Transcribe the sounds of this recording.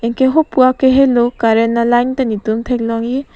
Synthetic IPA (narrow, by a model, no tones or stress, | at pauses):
eŋkeɦopuakeɦelokaɾenalajnt̪anit̪umt̪ʰeklɔŋji